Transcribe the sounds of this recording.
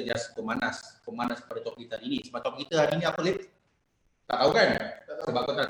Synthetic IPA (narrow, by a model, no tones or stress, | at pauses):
əliaspəmanaskəmanaskə̥padat̪ɔkkit̪aɾiːnisəmat̪ɔŋ̚kit̪əaɾiːniapəle | t̪a̰ʔawkansəbaʔkɔt̪a